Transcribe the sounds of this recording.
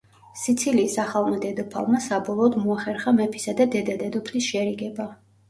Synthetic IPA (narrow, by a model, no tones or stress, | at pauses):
sit̪sʰiliːsaχalˠmad̪ɛd̪ɔpʰa̰lˠmasabɔlˠɔːd̪muaχɛɾχamɛpʰi̥sad̪ad̪ɛd̪ad̪ɛd̪ɔpʰlisʃɛaɾiɡɛba